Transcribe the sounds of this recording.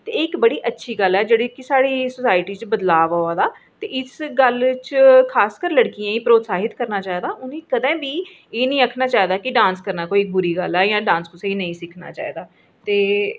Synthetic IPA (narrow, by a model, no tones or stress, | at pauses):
t̪eːɪkbəɽiːʔətːʃʰiːɡəlɛːd͡ʒeːɽeːkɪsaːɽiːsʊsaːɪʈiːt͡ʃbəd̪laːʋaːaːd̪aː | t̪ḛːʔɪsɡəlt͡ʃkʰaːskəɾləɽkijãːĩːpɾoːt̪saːɦɪt̪kəɾnaːt͡ʃaːiːd̪aːʔʊnĩːkəd̪ɛ̃ːbiː | eːnəĩːəkʰnaːt͡ʃaːid̪aːkɪɖãːnskəɾnaːkoːiːɪk̚bʊɾiːɡəlɛːjãːɖãːnskʊseiːnəĩːsɪkʰna̰ːt͡ʃa̰ːḭːd̪aː | t̪eː